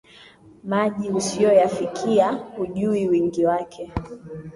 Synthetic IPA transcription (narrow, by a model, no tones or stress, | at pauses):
maʄiusiɔjafikʰiahuʄuiwiŋɡiwakʰɛ